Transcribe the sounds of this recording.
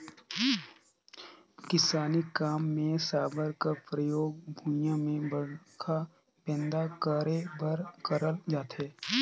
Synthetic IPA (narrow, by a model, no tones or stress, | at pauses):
kɪsaːnikaːmːẽsaːbəɾkəpɾəjoːɡ̚bʱʊjãmẽbəkʰa | bɛ̃ːnd̪akəɾebəɾkəɾəld͡ʒaːt̪eː